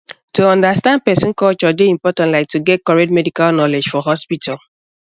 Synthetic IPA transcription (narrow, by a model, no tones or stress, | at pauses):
tuɔ̃ndastãnd̚pɛsĩn̩kɔt͡ʃɔdeĩmpɔtãntlaɪk̚tuɡɛt̚kɔɹetmɛdikalnɔled͡ʒfɔɦɔspitʰal